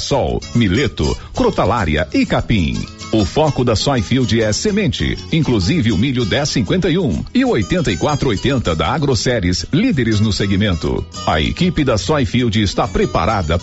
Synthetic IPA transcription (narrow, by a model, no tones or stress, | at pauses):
sɔ̰wmilet̪ʊ̰kɾot̪alaɾjɐ̰ɪkapĩ | ʊfɔkʊd̪ɐsɔjfiwd͡ʒɪɛsemẽnt͡ʃɪ̰ĩkluzivɪʊmiʎʊd̪ɛsĩŋkwẽnt̪ɐiũɪʊojt̪ẽnt̪ɐɪkwat̪ɾʊojt̪ẽnt̪ɐd̪ɐ̰aɡɾosɛɾɪslid̪eɾɪznʊseɡimẽnt̪ʊ̰ | ɐ̰ḛkipɪd̪ɐsɔjfiwd͡ʒɪːst̪apɾepa̰ɾad̪ɐ